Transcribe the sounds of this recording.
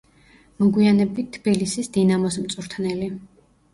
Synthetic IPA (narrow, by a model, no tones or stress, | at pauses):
mɔɡwianɛbit̪̚t̪ʰːbilisisd̪inamɔs̬mt̪sʼuɾt̪ʰnɛli